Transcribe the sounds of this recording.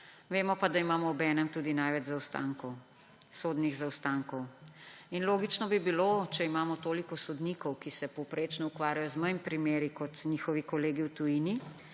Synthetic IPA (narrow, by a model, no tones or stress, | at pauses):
ʋeːmɔpad̪aimaːmɔɔbɛnɛmt̪uːd̪inajʋɛd͡ʒzawst̪a̰ŋkɔw | soːd̪niɣzawst̪aːŋkɔwinloːɡit͡ʃnɔbibilot͡ʃɛimaːmɔt̪oːlikɔsɔd̪nikɔwkisɛpɔwpɾeːt͡ʃnɔukʋaːɾjajɔzməjimpɾimeːɾikɔt̪niːxɔʋikɔleːɡiwt̪ujini